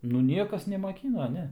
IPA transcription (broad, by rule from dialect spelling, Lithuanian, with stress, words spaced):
nʊ ˈnʲiɛkɐs nʲɛmɐˈkʲiːnoː ˈnʲɛ